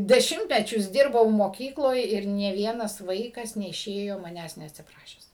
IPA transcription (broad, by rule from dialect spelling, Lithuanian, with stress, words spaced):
dʲɛˈʃʲɪmʲtʲmʲɛt͡ʃʲʊs ˈdʲɪrbɐʊ moːˈkʲiːklˠoːj ɪr nʲeː ˈʋʲiɛnɐs ˈʋɐɪkɐs nʲɛɪˈʃʲeːjoː mɐˈnʲæːs nʲɛɐtʲsʲɪˈprɑːʃʲæːs